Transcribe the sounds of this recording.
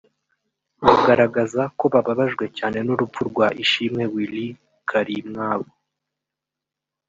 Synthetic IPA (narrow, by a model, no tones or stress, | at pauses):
muɡaɾaɡazako̞βaβaβaʒɡwe̞caːne̞nuɾup̪p͡ffuɾɡwaʔiʃimŋe̞wili | kʰaɾimŋaːβo